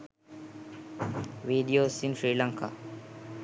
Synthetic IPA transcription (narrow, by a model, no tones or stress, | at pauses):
ʋiːɖioːsinfɾiːlaŋkʰa̰